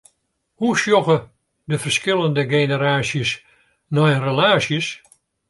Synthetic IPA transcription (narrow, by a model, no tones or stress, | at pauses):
husjɔɣə | dəfərskɪlˠəndəɡejnəɾaːsjəs | nɔjrəlaːsjəs